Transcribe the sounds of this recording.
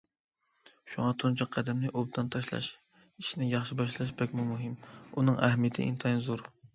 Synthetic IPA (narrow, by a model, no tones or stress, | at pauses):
ʃuŋɑt̪ʰont͡ʃʰɑqʰːæd̪ɛmlɪʔob̚d̪ɑnt̪ʰɑʃlˠɑ̰ʃ | iʃinɪjɑχʃibɑʃlˠɑʃbɛkʲmumuɦɪmunɨŋɛhmijɪt̪ʰɪ̰ʔḭnt̪ʰɑjnzuɾ